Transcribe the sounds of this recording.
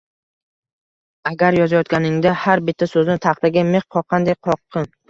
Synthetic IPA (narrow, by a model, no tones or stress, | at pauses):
aɡʲaɾjɒzajɒt̪̚kʲanɪŋd̪ahaɾbɪt̪ʰːasɵzɪnɪt̪ʰɑχt̪aɡʲameχqʰɒqʰːɑnd̪ekqʰɒqʰːɨn